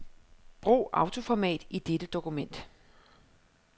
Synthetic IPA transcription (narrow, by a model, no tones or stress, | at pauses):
b̥ʁṵːɑ̈ʊt͡sʰo̝fɒmɛ̰ːd̥id̥ed̥əd̥o̝kumen̰d̥